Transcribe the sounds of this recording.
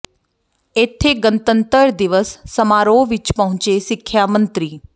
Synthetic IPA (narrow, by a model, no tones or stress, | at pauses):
ɪt̪ʰːeːɡənt̪ənt̪əɾd̪ɪʋəsːəmaːɾoːʋɪt͡ʃpəɦʊ̃ɲt͡ʃeːsɪkʰːjaːmə̃nt̪ɾiː